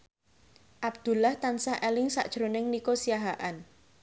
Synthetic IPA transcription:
ʔab̚d̪̥ṳlaht̪ansahʔelɪŋsa̰ʔd̥ʒ̥ɾonɪŋnikosiaɦaʔan

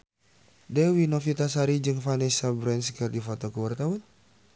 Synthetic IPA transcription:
dɛwinofit̪asaɾid͡ʒɨŋfanɛsabɾɛnskərdifot̪ɔkuwart̪aɔn

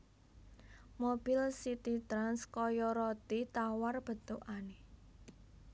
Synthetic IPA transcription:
mob̥ilsit̪it̪ɾanskɔjɔɾɔt̪it̪awarb̥ə̤t̪oʔane

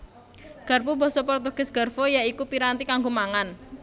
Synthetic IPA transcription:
ɡ̥a̤rpubɔsɔpɔrt̪oɡ̥ɪsɡ̥a̤rfɔjaikupiɾant̪ikaŋɡomaŋan

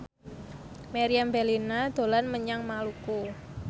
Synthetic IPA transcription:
maɾiambelinad̪̥o̤lanməɲaŋmaluku

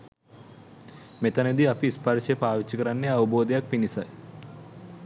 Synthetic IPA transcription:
met̪ɐned̪iɐpiːspaɾʃepaːʋit͡ʃːikɐɾanːeɐʋuboːd̪ejak̚pinisaj

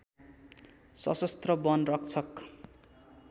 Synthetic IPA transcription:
sʌ̰sʌst̪rʌbʌnrʌk̚t͡sʰʌk

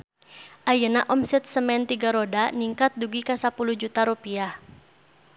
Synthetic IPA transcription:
ʔajənaʔɔmsɛt̪̚səmɛnt̪iɡaɾodaniŋkat̪̚duɡikasapuluhd͡ʒut̪aɾupiah

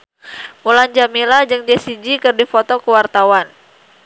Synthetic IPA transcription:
muland͡ʒamilad͡ʒɨŋd͡ʒɛsid͡ʒikɨrdifot̪ɔkəwart̪awan

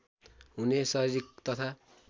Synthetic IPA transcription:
ɦunesʌɾiɾik̚t̪ʌt̪ʰa

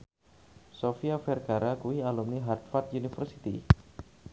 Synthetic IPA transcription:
sofiafɛrkaɾakuialumniɦart̪̚fat̪̚unifərsi̥t̪ḭ

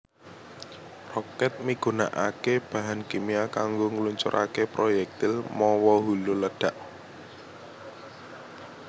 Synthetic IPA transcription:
rɔkɛt̪̚miɡ̥una̰ʔakeb̥a̤ɦankemiakaŋɡoŋəluɲt͡ʃʊ̰ɾʔa̰kepɾojɛk̚t̪ɪlmɔwɔɦululədɖ̥a̤ʔ

